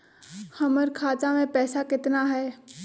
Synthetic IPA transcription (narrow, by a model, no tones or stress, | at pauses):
hɐməɾkʰaːt̪amẽpɛːsakɪt̪naɦɛː